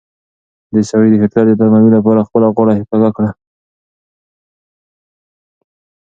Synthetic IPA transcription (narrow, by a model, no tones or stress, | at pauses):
d̪əsawejd̪əhɪt̪lɑɾd̪ət̪aɾmawilap̬ɑɾaxpəlaɣaɽahɪkaɡakɽa